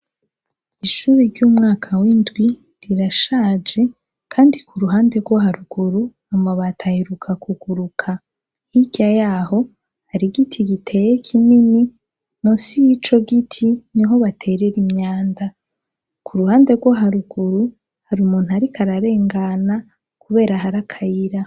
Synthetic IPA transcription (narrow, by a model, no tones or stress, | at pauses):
iʃuɾeɾɟuːmŋaːkʰawindɡwi | ɾiɾaʃaːd͡ʒe̞ | kʰaːndikʰuɾuɦaːnde̞ɾɡwoɦaɾuɡuɾu | amaβatʰahiɾukʰakuɡ̥uɾukʰa | hiɟ̥ajaːho̞ | haɾiɡitʰiɡitʰe̞jekʰinini | nosijit͡ʃo̞ɡitʰiniɦo̞βatʰe̞ɾeɾimɲaːnda | kʰuɾuhaːnde̞ɾɡwoɦaɾuɡuɾu | haɾumuːn̥huaɾikʰaɾaɾe̞ːŋɡana | kuβe̞ːɾahaɾakʰajiɾa